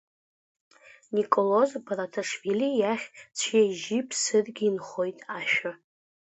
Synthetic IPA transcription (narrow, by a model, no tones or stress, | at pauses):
nikʼolozbaratʰaʂvilijaχʲt͡sʷʰjejʒipʰsɨrɡʲinχo̞jtʼaʃᶣa